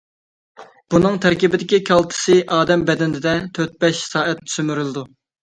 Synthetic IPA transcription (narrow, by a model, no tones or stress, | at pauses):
b̥unɨŋt̪ʰæɾkʲibɪd̪ɪkʲikʲʰɑlˠt̪ʰɨ̥sɨʔɑːd̪ɛmbɛd̪ɛnɪd̪ɪd̪ɛt̪ʰøɾt̪̚bɛʃsɑːʔɛt̪ny̥sømyɾylˠɨd̪u